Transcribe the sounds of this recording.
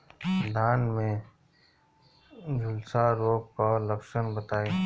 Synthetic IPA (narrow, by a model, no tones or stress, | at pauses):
d̪ʱaːnmẽ | d͡ʒʊlsaɾoːk̚kaːlɐpʃənbət̪aːeː